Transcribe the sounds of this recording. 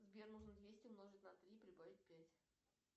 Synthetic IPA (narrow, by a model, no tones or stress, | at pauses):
zbʲernuʐnəd̪vʲesʲtʲʊmnoʐɨtʲnɐt̪ɾʲipɾʲɪbavʲɪt̚ʲpʲætʲ